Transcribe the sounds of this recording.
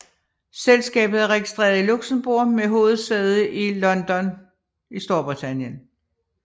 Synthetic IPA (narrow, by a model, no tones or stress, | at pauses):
selsɡ̥ɛ̰ːb̥ð̩ˠæʁɛɡ̥isd̥ʁɛḛːɐð̩ˠiluɡ̥səmb̥o̝ɐ̰meɦo̝ːð̞̩ˠsdeð̞ˠəʔilɒ̽nd̥ɒ̽n | isd̥o̝ɐb̥ʁit͡sʰænjən